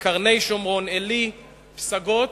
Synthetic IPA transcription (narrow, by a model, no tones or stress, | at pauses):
kaʁne̞jʃomʁo̞neli | psaɡot